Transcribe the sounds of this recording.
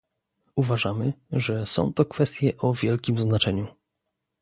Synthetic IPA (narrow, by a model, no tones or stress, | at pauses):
uvaʐamɘʐɛsɔ̰̃w̃t̪ɔkfɛst̪ʲjɛʔɔvʲjɛlkʲimznat͡ʂɛɲu